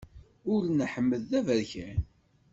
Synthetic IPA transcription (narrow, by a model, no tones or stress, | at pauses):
ʊɾnəħəmːəðːævəɾçæn